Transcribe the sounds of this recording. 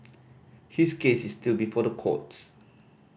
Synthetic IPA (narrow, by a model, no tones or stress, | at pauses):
hiskesistilˠbifɔdəkʰɔ̰ts